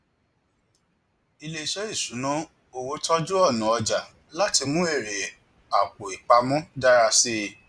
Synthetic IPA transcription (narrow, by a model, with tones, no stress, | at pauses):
i˧le˧˨ʃɔ˦i˦˨sũ˨˦nũ˦ | o˨wo˧˦tʰɔ˦d͡ʒu˦ɔ˦˨nũ˨ɔ˧d͡ʒa˨ | la˦ti˧mũ˦e˦˨ɾe˨ | a˨k͡po˨i˨k͡pa˧mɔ̃˦da˦ɾa˧se˧˦˨